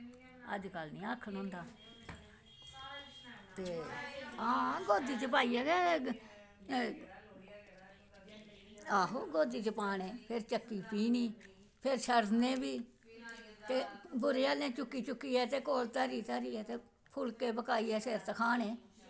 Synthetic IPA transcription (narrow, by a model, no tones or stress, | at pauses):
ə̰d͡ʒkəlnĩːakʰːənɦʊ̃ːnd̪aː | t̪eː | ãːɡoːd̪iːt͡ʃəpaːiːɛːɡɛː | aːɦoːɡoːd̪iːt͡ʃəpaːnẽːpʰɪɾt͡ʃəkːiːpiːniː | pʰɪɾʃəɾd̪nẽːbiː | t̪eːbʊɾeːaːlẽːt͡ʃʊkːiːt͡ʃʊkːiːɛːt̪eːkoːlt̪əːɾiːt̪aːɾiːɛːt̪eː | pʰʊlkeːbəkaːiːɛːseːɾt̪əkʰaːnẽː